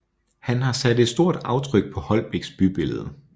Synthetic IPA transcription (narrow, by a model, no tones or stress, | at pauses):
hænhɑ̈sæd̥e̝d̥sd̥o̝ɐ̰d̥ɑ̈ʊt͡sʰʁœɡ̥̚pʰɒ̽hɒ̽lb̥eɡ̥sb̥yb̥e̝ləð̞̩ˠə